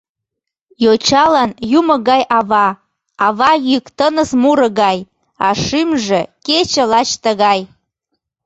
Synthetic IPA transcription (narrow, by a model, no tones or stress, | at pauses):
jot͡ɕɑlənjuməɣɑjʔɑβɑ | ɑβɑjykt̪ənəsmuɾə̆ɣɑj | ɑʃymʒeket͡ɕəlɑt͡ɕt̪əɣɑj